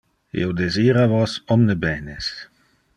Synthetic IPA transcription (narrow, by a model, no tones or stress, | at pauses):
ḭowd̪eziːɾavosɔmnebɛːnes